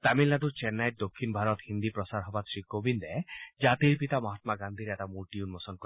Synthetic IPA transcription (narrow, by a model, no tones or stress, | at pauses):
t̪amilːad̪uɾt͡ʃenːajʈ̚d̪okʰːinbʱaɾɔt̪hind̪ipɾɔsaɾɦɔbasɾikobind̪ed͡ʒat̪iɾpit̪amɔɦat̪maɡand̪ʱiɾeat̪amuʈiunmɔsɔnkɔ